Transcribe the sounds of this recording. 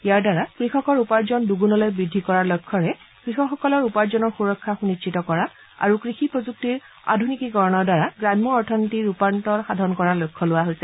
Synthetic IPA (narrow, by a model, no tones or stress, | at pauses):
ijaɹdaɹakɹixɔkɔɹupaɹzɔnduɡunɔlojbɹidʱːikɔɹaɹlɔjkʰːɔɹɛ | kɹixɔxɔkɔlɔɹupaɹzɔnɔɹxuɹɔkʰːaxunit͡ʃitɔkɔɹa | a̰ɹukɹixipɹɔzuk̚tiɹ | a̰dʱunikikɔɹɔnɔɹdaɹaɡɹamːɔɔɹtʰɔnitiɹupantɔɹxadʱɔnkɔɹaɹlojkʰːɔlʊwaɦojsɛ